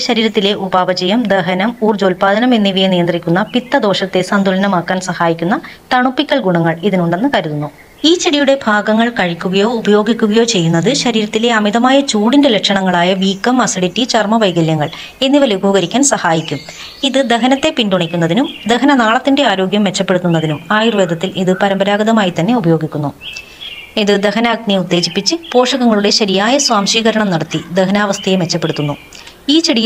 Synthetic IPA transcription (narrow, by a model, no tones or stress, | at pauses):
ɕɐɾiːɾɐt̪ːile̞ʔubaːʋɐd͡ʑɐjɐmd̪eɦɐnɐmuːrd͡ʑoːlpaːd̪ɐnɐmenːiʋijɐnijɐnd̪rikʲːunːɐpit̪ːɐd̪o̞ːʂɐt̪ːe̞sɐnd̪ʱulɐnɐmaːkːaːnsɐhaːjikʲːunːɐ | t̪ɐɳupːikʲːɐɭɡuɳɐŋːɐɭiðinuɳɖe̞nːɨkɐɾuðunːu | iːt͡ɕiɽijuɽe̞bʱaːɡɐŋːɐɭkɐɻikʲːuɣɐjo̞ːubɐjo̞ːɡikʲːuɣɐjo̞ːt͡ɕe̞jːunːɐðɨɕɐɾiːɾɐt̪ːile̞ɐmiðɐmaːjɐt͡ɕuːɽindelekʂɐɳɐŋːɐɭaːjɐʋiːkːɐmːɐsɐɽitːit͡ɕɐrmɐʋɐjɡɐljɐŋːɐɭ | e̞nːiʋɐluɡʱuːɣɐɾikʲːaːnsɐhaːjikʲːum | iðɨd̪e̞ɦɐnɐt̪ːe̞pinduɳikʲːunːɐðinumd̪e̞ɦɐnɐnaːɭɐt̪ːinde̞aːɾo̞ːɡjɐmʋe̞t͡ɕːɐpːe̞ɽut̪ːun̪ːɐðinumaːjirʋe̞ːd̪ʱɐt̪ːilʔiðɨpɐɾɐmbɐɾaːɡɐðɐmaːjit̪ɐnːe̞ubɐjo̞ːɡikʲːunːu | eðɨd̪ehɐnɐːɡ̚niud̪ːe̞ːɕipːit͡ɕːɨpo̞ːʂɐɣɐŋːɐɭuɽe̞ɕɐɾijaːjɐsʋaːmʂiːɣɐɾɐɳɐmnɐɽɐt̪ːid̪ehɐnaːʋɐst̪ʰɐjemʋe̞t͡ɕːɐpːe̞ɽut̪ːunːu | iːt͡ɕɐɽij